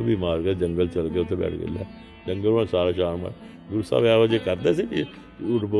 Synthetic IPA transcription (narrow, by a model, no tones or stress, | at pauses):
biːmaːɾkeːd͡ʒəŋɡəlt͡ʃəlkeʊt̪ʰːẽːbɛ̰ːʈʰɡə̰lɛ̰ː | d͡ʒəŋɡəlãsaːɾaːʃaːnma̰ː | ɡʊɾsa̰ːʋaːʋəd͡ʒeːkəɾd̪eːsii | ʊʈbo